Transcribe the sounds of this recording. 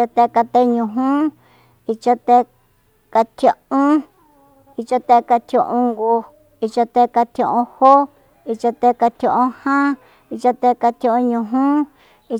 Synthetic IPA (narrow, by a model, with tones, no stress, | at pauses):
a˧t̪e˧ka˧t̪e˦ɲũ˨˧ɦũ˦ | i˧t͡ʃa˧t̪e˧ | ka˧t̪ʰjo˧ʔũ˦ | i˧t͡ʃa˧t̪e˧ka˧t̪ʰjõ̰˧ʔũ˧ŋɡu˧ | i˧t͡ʃa˧t̪e˧ka˧t̪ʰõ̰˧ʔõ˧ho˦ | i˧t͡ʃa˧t̪e˧˦ka˧t̪ʰjo˧ʔõ˦hã˦ | i˧t͡ʃa˧t̪e˧ka˧t̪ʰjõ˧õ˧ɲũ˨˧ɦ | i˧